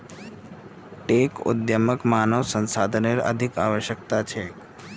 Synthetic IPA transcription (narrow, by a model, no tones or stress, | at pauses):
ʈekʊ̰d̪jəməkmaːnəʋsə̃nsad̪ʱəneɾə̰d̪ʱika̰ʋəʃjək̚t̪at͡ʃʰe